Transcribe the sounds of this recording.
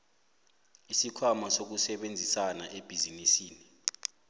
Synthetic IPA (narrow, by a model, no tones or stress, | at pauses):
isikʰwamasok̬usɛɓend͡zʱisanaʔeb̥ʱizinisiːni